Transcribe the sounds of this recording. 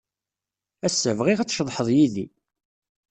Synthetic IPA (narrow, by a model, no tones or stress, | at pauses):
æsəvʁiʁat͡sːʃəðˤħəðˤjiði